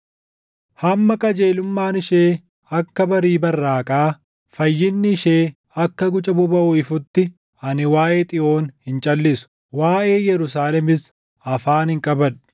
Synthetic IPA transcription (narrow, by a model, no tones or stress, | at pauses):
hɐmːɐkʼɐd͡ʒeːlʊmːaːnɪʃeː | ɐkːɐbɐɾiːbɐrːaːkʼaː | fɐjːɪnːɪʃeː | ɐkːɐɡʊt͡ʃʼɐbʊbɐʔʊɪfʊt̪ːɪ | ɐnɪwaːʔe̞ːt̪ʼɪʔo̞ːnhɪnt͡ʃʼɐlːɪsʊ̥ | waːʔe̞ːjɛɾʊs̬aːlɛmɪs | ɐfaːnɪŋkʼɐbɐᶑʊ̥